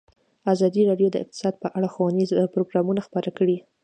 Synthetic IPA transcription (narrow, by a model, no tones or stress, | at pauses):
azɑd̪iɾɑɖjod̪ə̰ɪ̰q̚t̪ɪ̥sɑd̪̚pəʔaɽaxwanizpɾoɡɾɑmunaxpəɾakəɽi